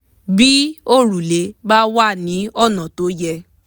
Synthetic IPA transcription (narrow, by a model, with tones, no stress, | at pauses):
bi˦o˦˨ɾu˨le˨˦ba˦wa˦˨nĩ˨˦ɔ˦˨nã˨to˨˦jɛ˧